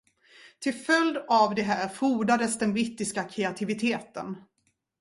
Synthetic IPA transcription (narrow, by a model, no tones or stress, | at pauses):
t̪ʰɪlfœld̪avd̪ɛɦæːɾfuːɖad̪əsd̪ɛnbɾɪt̪ːɪskakʰɾɛat̪ʰɪvɪt̪ʰeːt̪ə̰n